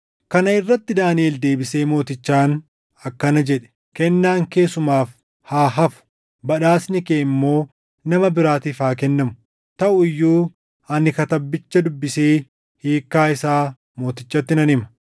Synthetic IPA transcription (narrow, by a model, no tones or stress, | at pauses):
kɐnɐɪrːɐt̪ːɪd̪aːnieːld̪e̞ːbɪse̞ːmo̞ːt̪ɪt͡ʃːaːn | ɐkːɐnɐd͡ʒɛᶑɛ̥ | kɛnːaːŋke̞ːsʊmaːf | haːɦɐfʊ̥ | bɐᶑaːsnɪkeːɪmːo̞ː | nɐmɐbɪɾaːt̪iːfaːk̬ɛnːɐmʊ̥ | t̪ɐʔʊɪjːuː | ɐnɪkɐt̪ɐbːɪt͡ʃːɐd̪ʊbːɪseː | hiːkːaːɪsaː | mo̞ːt̪ɪt͡ʃːɐt̪ːɪnɐnɪmɐ̥